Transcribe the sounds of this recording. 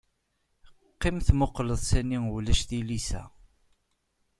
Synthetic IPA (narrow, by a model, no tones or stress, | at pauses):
qːɪmθmoqːləðˤsæniwlæʃθilisæ̰